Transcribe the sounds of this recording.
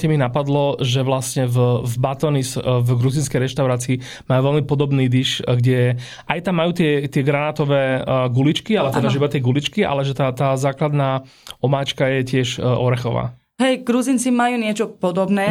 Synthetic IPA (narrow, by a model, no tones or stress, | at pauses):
cɛminapad̪lɔʒɛʋlastɲɛvvbat̪ɔnisvɡɾuzinskɛjɾɛʃt̪aʊɾaːt͡siː | majuːʋɛlmipɔd̪ɔbniːd̪iʃɡɟɛɛ | ʔajt̪amːajuːt̪ɪɛt̪ɪɛɡɾanaːt̪ɔʋɛːɡulit͡ʃkialɛɔt̪ɛd̪aʒibat̪ɪɛɡulit͡ʃkia̰lɛʒɛt̪at̪aːzaːklad̪naː | ɔmaːt͡ʃkajɛcɪɛʃɔɾɛxɔʋa̰ː | ɦɛjɡɾuzint͡simajuːɲɪɛt͡ʃɔpɔd̪ɔbnɛː